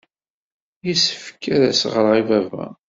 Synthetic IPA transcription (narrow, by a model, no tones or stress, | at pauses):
jisə̥fkʰːæɾæsʁəɾʁivævæ̰